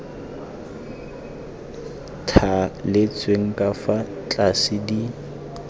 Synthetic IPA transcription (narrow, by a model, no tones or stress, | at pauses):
tʰalɪt͡sʼweŋ̩kʼafa | t͡ɬʼasɪdi